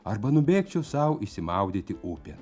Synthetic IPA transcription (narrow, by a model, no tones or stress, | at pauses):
ɐrbɐnʊbʲeːkt͡ʃʲɛʊsɐʊisʲɪmɐˑʊd̪ʲiːt̪ʲɪʔʊpʲɛ